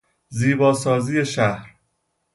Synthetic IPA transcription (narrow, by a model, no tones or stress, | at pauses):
ziːbɒːsɒːziːeʃæhɾ